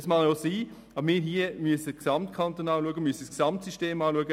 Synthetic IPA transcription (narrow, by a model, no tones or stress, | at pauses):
smɑljosiː | ɑbəɾmɪːɾɦiəmyəsəksɑmtkʰɑnt̪onɑːluəɡəmysəsksɑmtsyʃteːmɑːluəɡə